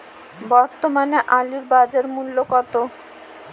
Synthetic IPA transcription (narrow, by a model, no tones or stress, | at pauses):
bɔɾt̪omaneʔaliɾbad͡ʑaɾmulːokɔt̪o